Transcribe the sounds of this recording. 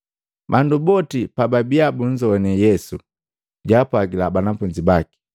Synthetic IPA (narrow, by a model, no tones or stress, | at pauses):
bandubɔtipababiabuɲd͡ʒɔɛnɛjɛsu | ɟapwaɡilabanafuɲd͡ʒibaki̥